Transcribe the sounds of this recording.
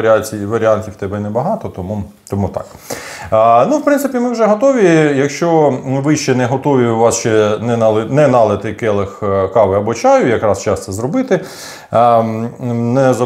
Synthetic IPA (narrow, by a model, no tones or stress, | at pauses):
ɐɾʲatʲiʋɐɾʲɪanʲtʲiwt̪ɛbɛnɛbɐɦɑt̪ɔt̪ɔmu | t̪ɔmut̪ɑ̰k̪ | nuwpɾɪnsɪpʲimɪwʒɛɦɔt̪ɔʋʲijɐkʃt͡ʃɔʋɪʃt͡ʃɛnɛɦɔt̪ɔʋʲiʊʋɑst͡ʃɛnɛnlˠɪnɛnɑlˠɪt̪ɪkɛlˠɪxkɑʋɪɐbɔt͡ʃɑjʊjɐkɾɑst͡ʃɑst̪sɛzɾɔbɪt̪ɪ | nɛzɐ